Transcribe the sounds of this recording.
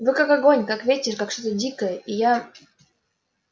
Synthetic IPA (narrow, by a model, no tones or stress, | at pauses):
vɨkakaɡo̞nʲkakvʲetʲɪʂkakʂt̪ot̪ədʲikəjəʔija